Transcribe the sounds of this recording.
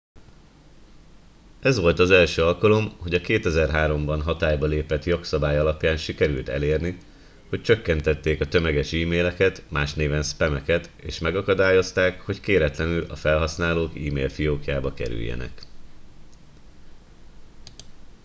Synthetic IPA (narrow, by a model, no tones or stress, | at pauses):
ɛzʋo̞lt̪ɒzɛlʃøːɒlkɒlo̞mho̞ɟɒkeːt̪ɛzɛrɦaːɾo̞mbɒnɦɒt̪aːjbɒleːpɛt̪jo̞ksɒbaːjɒlɒpjaːnʃikɛɾylt̪ɛ̰leːrni | ho̞c̚t͡ʃøkːɛnt̪ɛt̪ːeːkɒt̪ø̞mɛɡɛʃiːmeːlɛkɛt̪maːʃneːvɛnspɛmɛkɛt̪ḛːʃmɛɡɒkɒd̪aːjo̞st̪aːkho̞ckeːɾɛt̪lɛnylɒ̰fɛlɦɒsnaːloːkiːmḛːlfijoːkjaːbɒkɛ̰ɾy̰jːɛ̰nɛ̰k